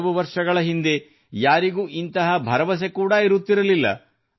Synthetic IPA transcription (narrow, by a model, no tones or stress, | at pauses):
ʋuʋɐɾʂɐɡɐɭɐɦind̪e̞ | jaːɾiɡuːʔint̪ɐɦɐbʱɐɾɐʋɐs̬e̞kuːɽaiɾut̪ːiɾɐlilːɐ̰